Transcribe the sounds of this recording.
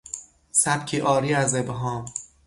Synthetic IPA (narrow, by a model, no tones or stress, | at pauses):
sæb̚kʰiːʔɒːɾiːæzebɦɒːm